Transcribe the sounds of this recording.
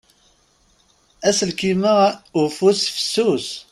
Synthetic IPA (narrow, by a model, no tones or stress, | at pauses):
æsəlkiməufusfə̥sːus